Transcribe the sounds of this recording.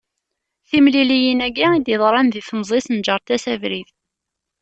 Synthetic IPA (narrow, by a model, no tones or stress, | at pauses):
θimlilijinæɡæid̪iðˤɾˤɑnðifnzˤisnd͡ʒəɾˤt̪æsævɾið